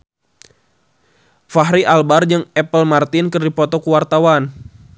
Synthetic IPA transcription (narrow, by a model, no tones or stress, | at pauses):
faɦɾiʔalbard͡ʒɨŋɛpəlmart̪inkərdipɔt̪ɔkuwart̪awan